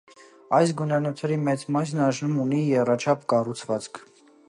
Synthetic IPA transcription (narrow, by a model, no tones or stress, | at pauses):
ɑjs̬ɡunɑnɔt̪ʰɛɾimɛt͡smɑjs̬nɑʒnumunijɛrɑt͡ʃʰɑpʰkɑrut͡sʰvɑt͡skʰ